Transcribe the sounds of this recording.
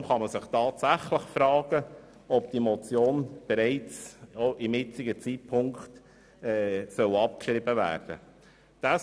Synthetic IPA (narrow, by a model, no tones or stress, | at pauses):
mχɑməsɪχtɑːtsæχləχfɾɑːɡ̥ə | ɔp̚d̥imɔt͡sjoːnb̥ɛɾɛɪt͡soʔɪmɪt͡sɪɡət͡sit̚pʰʊŋkχt | ɛːsœlɑp̚kʃɾɪbəvæ̰ːɾd̥ə̰ | d̥a